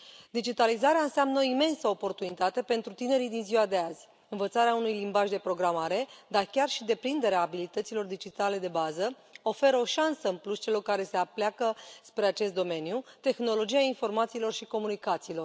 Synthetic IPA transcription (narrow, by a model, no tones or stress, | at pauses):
d̪id͡ʒit̪alizaɾeaɨnseamnəoime̞nsəopo̞rt̪unit̪at̪e̞pe̞nt̪ɾut̪ine̞ɾid̪inziwad̪e̞azʲ | ɨnvət̪saɾeaunujlimbaʒd̪e̞pɾo̞ɡɾamaɾe̞d̪arkʲarʃid̪e̞pɾind̪e̞ɾeaːbilit̪ət̪silo̞rd̪id͡ʒit̪ale̞d̪e̞bazə | o̞fe̞ɾəo̞ʃansəɨmplust͡ʃe̞lo̞rkaɾe̞se̞apleakəspɾe̞at͡ʃe̞st̪̚d̪ome̞njut̪e̞xno̞lo̞d͡ʒiainfo̞rmat̪siːlo̞rʃiko̞munikat̪siːlo̞r